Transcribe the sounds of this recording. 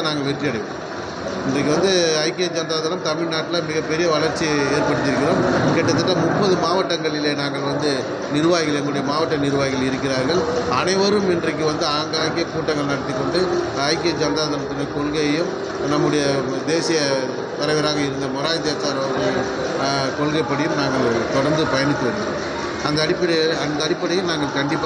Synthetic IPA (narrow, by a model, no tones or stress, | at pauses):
naːŋɡɐʋɛʈriɐɽɐɪʋe | ɪndrɐk̬ːɯʋɐnd̪ɯɐɪkːɪjɐd͡ʒɐnd̪aːðɐːɾɐmt̪ɐmɪɻnaːʈːɪlamɪɣɐpːɛɾɪjɐʋɐɭɐɾt͡ʃːieːɾpɐɽɯt̪ːɪɾɯkːɪɾoːmkɛʈːɐt̪ːɐʈːɐmʊpːɐðɯmaːʋɐʈːɐŋɡɐɭɪleːnaːŋɡɐɭʋɐnd̪ɯ | nɪɾɯʋaːɣɪɣɐlɛŋɡɐɭɯɽɐjɐmaːʋɐʈːɐnɪɾɯʋaːɣɪɣɐlɪɾɯkːɪɾaːɾɣɐɭɐnɐɪʋɐɾɯmɪndrɐk̬ːɯʋɐnd̪ɯaːŋɡaɪkjɐkːuːʈːɐŋɡɐɭnɐɽɐt̪ːɪkːɔɳɖɯ | ɐɪkɪjɐd͡ʒɐnd̪aːðɐɾɐt̪ːɯnɯkɔɭɣɐjɯm | nɐmːɯɽɐjɐ | d̪eːsɪjɐ | t̪ɐɾɐʋɪɾaːɣɐɪɾɯnd̪ɐmʊɾaːjðeːsaːɾɐʋɐɡɐm | kɔlɣɐɪpɐɽɪjɯmnaːŋɡɐɭt̪ɔɽɐɾnd̪ɯpɐjɐnɪt̪ːɯʋɐn̰ː | ɐnd̪ɐːɽɪpːɐɽɐɐnd̪ɐːɽɪpːɐɽɪjɐlnaːŋɡɐɭkɐɳɖɪpː